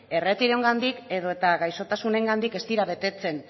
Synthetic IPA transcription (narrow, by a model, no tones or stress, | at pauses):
e̞re̞t̪iɾo̞ŋɡand̪ike̞ðo̞e̞t̪aɣajso̞t̪asune̞ŋɡand̪ike̞st̪iɾaβe̞t̪e̞t͡se̞n